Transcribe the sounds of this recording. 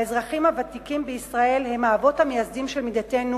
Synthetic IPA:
ezʁaχimhavatikimbeisʁae̞lhe̞maːvo̞thamejasdimʃelmidate̞nu

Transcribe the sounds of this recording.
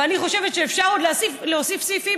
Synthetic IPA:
aniχo̞ʃe̞vet̪ʃeːfʃaʁod̪leasifleosifsifi

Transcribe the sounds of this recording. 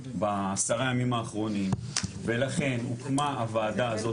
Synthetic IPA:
baːsaʁajamimaːχʁo̞nimvelaχe̞nṵkmaːvaːd̪aːzo

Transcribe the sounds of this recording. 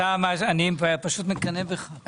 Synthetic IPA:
amaʃanimvapaʃut̪mɪt̪kanebeχa

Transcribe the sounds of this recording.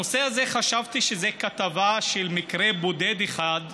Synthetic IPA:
oseaze̞χaʃavt̪iʃezekat̪avaʃelmikʁebod̪e̞d̪eχad̪

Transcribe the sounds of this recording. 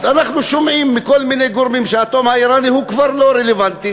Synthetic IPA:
zanaχnuʃomʕimːiko̞lminejɡoɾmimʃeat̪omhaiɾanihukvaʁlo̞ɾelevant̪i

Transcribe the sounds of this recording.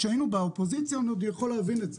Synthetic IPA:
ʃeainubaopo̞zit͡sjonod̪jaχo̞leavinetze

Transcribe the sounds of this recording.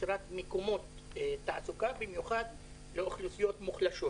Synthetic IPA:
ɾat̪mekomo̞t̪ː | aʔasukabimjuχad̪ | leoχlusijo̞t̪muχlaʃo

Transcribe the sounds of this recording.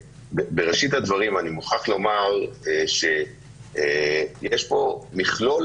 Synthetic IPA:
bebe̞ʁeʃit̪had̪vaʁimanimuχaχlo̞maʁeʃe̞ | jeʃpo̞miχlo̞l

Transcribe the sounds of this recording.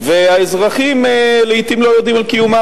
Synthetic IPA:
veaezʁaχimeleit̪imlo̞jod̪imalkijuma

